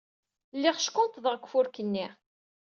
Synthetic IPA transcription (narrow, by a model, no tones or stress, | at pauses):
lːɪʁʃkːʊnt̪ðˤəʁkʷfʊɾkənːiʁ